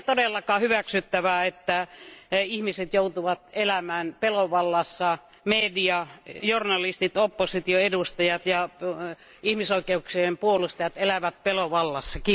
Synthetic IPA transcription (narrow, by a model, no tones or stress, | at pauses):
t̪odelːɑkɑːhyʋæksyt̪ːæʋæet̪ːæ | ihmiset̪jout̪uʋɑt̪elæmæːnpeloʋɑlːɑsːɑ | mediɑjornɑlist̪it̪opːosit̪ioedust̪ɑjɑt̪jɑ | ihmisoikeuksiempuolust̪ɑjɑt̪elæʋæt̪̚peloʋɑlːɑsːɑki